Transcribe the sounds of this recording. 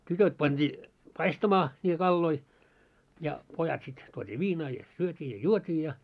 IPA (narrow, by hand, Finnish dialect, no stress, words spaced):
tytøt pɑnd̥iː pɑistɑmɑː nʲiːtæ kɑlːoi jɑ pojɑt sit tuotʲiː ʋiːnɑː jɑ syøtʲiː jɑ juotʲiː jɑ